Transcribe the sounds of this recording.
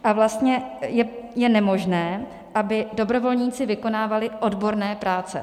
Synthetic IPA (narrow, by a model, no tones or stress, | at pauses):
ʔavlast̪ɲɛjɛjɛnɛmo̞ʒnɛː | ʔabɪdo̞bɾo̞vo̞lɲiːt͡sɪvɪko̞naːvalɪʔo̞dbo̞ɾnɛːpɾaːt͡sɛ̰